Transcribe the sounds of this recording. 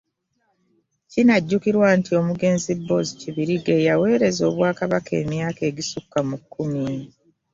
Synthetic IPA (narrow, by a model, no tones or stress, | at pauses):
cinaɟːukiɾwaːntio̞muɡe̞ːnzibːo̞ziciβiɾiɡe̞jawe̞ːɾe̞zo̞̰ːβwaːkaβake̞̰ːmjaːke̞ːɟisukːamukːumiːni